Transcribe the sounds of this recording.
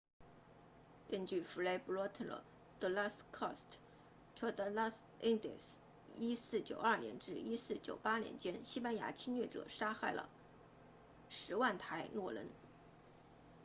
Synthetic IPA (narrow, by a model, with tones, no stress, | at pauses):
kə˥nt͡ɕy˥˩fu˧˥le˧˥ɪpu˧˥lɔ˧˥t̪ʰlə̰˨˥˩ | d̪̥ə˧la˥skʰɔ˥˩st | ʈ͡ʂʰə˥d̪ə˧la˥s | i˥ŋd̪ḭ˨˩s | i˥sɹ̩˥˩t͡ɕjo̰˨˩ʊɐ˞˥˩njɛ̰˧˥nʈ͡ʂɻ̩˥˩i˥sɹ̩˥˩t͡ɕjo˨˩ʊpa˥njɛ̰˧˥nt͡ɕjɛ˥nɕi˥pa˥nja̰˧˥t͡ɕʰi˥nɥɛ˥˩ʈ͡ʂɤ̰˨˩ʂa˥xa˥˩ɪlə̰˩ | ʂɻ̩˧˥wa˥˩nt̪ʰa˧˥ɪnwɔ˥˩lə̰˧˥n